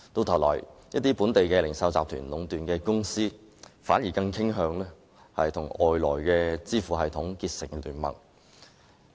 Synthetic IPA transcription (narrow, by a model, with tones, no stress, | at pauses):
t̪o˧wt̪ʰwlɔ̰ː˨˩jjɐ˥t̚t̪iː˥puː˨˥nt̪e˨jkɛː˧lɪ˨˩ŋsɐ˧wt͡saː˨p̚t̪ʰyː˨˩nlʊ˨˥ŋt̪yː˨nkɛː˧kʊ˥ŋsiː˥ | fa̰ː˨˥njiː˨˩kɐ˧ŋkʰɪ˥ŋɦœː˨˧ŋlɛː˥ | hɐ˨jt̪ʰʊ˨˩ŋɔː˨jlɔː˨˩jkɛː˧t͡siː˥fuː˨˩ɦɐ˨jt̪ʰʊ˨˥ŋkiː˧t̚sɪ̰˨˩ŋlyː˨˩nmɐ̰˨˩ŋ